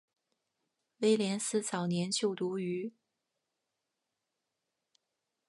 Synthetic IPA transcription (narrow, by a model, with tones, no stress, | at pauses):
we˥˩ɪljɛ˧˥nsɹ̩˥˩t͡sʰɑ˨˩ʊnjɛ˧˥nt͡ɕʰjo˥˩ʊt̪u˧˥y˧˥